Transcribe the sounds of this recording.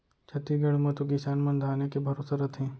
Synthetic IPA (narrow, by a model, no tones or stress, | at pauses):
t͡ʃʰɐt̪iɡɐɽmɐt̪uɡɪsaːnmɐ̃nd̪ʱaːnekebʱɐɾoːsaɾɐt̪ʰɦɛ̃ː